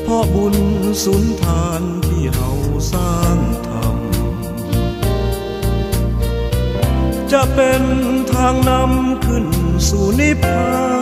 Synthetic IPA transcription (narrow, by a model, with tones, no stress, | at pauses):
pʰɔ˧bu˧nsu˨˩˦nt̪ʰaː˧nt̪ʰiː˧˥˩ha˧˥wsaː˧˩ŋt̪ʰa̰˧˩m | t͡ɕa˧ʔpe˧nt̪ʰaː˧ŋna˧˥mkʰɯ˧˥˩nsuː˧˩ni˧˥pʰaː˧˥